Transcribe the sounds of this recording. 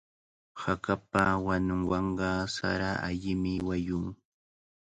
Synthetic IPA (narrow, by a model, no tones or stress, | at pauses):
hakapawanʊŋwɑɴɢɑsa̰ɾaaʎɪmɪwajʊŋ